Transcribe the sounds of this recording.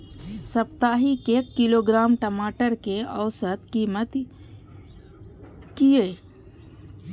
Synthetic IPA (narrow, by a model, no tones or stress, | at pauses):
səpt̪aːɦikeːkːiloːɡɾaːmʈəmaːʈəɾkeəwsət̪kiːmət̪ | kije